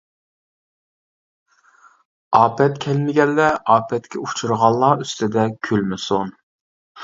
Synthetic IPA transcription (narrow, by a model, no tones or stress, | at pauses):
ɑːpɛt̪kʲʰɛlmɪɡʲɛlːɛɑːpʰɛt̪kʲʰɛut͡ʃʰuɾʁɑlˠːɑːyst̪ɪd̪ɛkʲʰylmɪson